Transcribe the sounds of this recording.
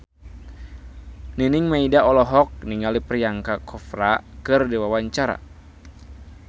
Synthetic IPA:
ninɪŋmaidaɔlɔɦɔk̚niŋalipərjaŋkakʰɔfɾakɨrdiwawaɲt͡ʃaɾa̰

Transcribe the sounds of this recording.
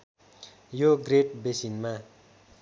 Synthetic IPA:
joɡreʈ̚besinma

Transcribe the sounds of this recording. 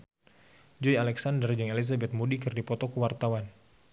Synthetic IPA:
d͡ʒɔjalɛksandərd͡ʒəŋelizabɛt̪̚mudikɨrdipɔt̪ɔkəwart̪awan

